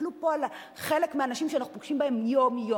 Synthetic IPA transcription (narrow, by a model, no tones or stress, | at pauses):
lupo̞ala | χelekmeanaʃimʃeanaχupoɡ̥ʃimbahemjomjo